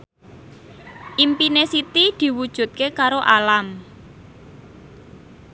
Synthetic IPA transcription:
ʔimpinesit̪id̪̥i̤wud̥ʒ̥ṳt̪̚kekaɾoʔalam

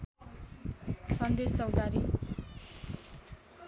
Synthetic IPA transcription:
sʌnd̪est͡sʌwd̪aɾi

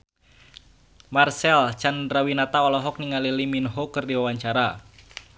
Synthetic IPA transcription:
marsɛlt͡ʃandɾawinat̪aɔlɔɦɔk̚niŋaliliminɦokɨrdiwawaɲt͡ʃaɾa

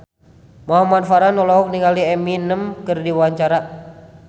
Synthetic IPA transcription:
maɦumanfaɾanɔlɔɦuk̚niŋaliɛminəmkɨrdiwaɲt͡ʃaɾa

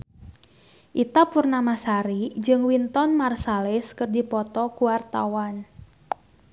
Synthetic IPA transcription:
ʔit̪apurnamasaɾid͡ʒɨŋwint̪ɔnmarsalɛskɨrdipɔt̪ɔkuwart̪a̰wan

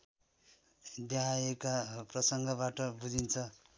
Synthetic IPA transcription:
d̪jaɦajekaprʌsʌŋɡʌbaʈʌbud͡zint͡sʰʌ

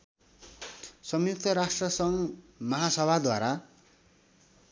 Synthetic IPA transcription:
sʌmjuk̚t̪ʰʌɾasʈrʌsʌŋmʌɦasʌbʱad̪waɾa

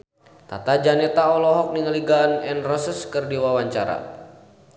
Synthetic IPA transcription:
t̪a̰t̪ad͡ʒanɛt̪aɔlɔɦɔk̚niŋəliɡanɛnrəsəskərdiwawaɲt͡ʃaɾa̰

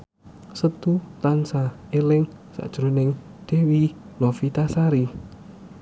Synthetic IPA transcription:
sət̪ut̪ansa | elɪŋ | sa̰ʔd̥ʒ̥ɾonɪŋd̪̥ewi | lofit̪asaɾi

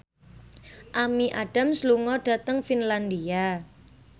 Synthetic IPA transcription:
ʔamiʔaɖ̥a̤msluŋɔɖ̥ä̤t̪əŋfinland̪ia

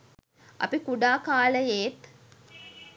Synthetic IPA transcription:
ɐ̰pikuɖaːkaːləjeːt̪

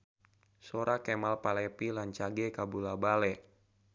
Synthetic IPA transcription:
soɾakɛmalpalɛpilaɲt͡ʃaɡɛkabulabalɛ

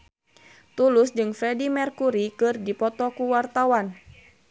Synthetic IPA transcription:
t̪ulʊsd͡ʒɨŋfɾɛdimɛrkuɾikɨrdipɔt̪ɔkuwart̪awan

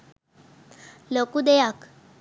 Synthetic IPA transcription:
lokud̪ejak

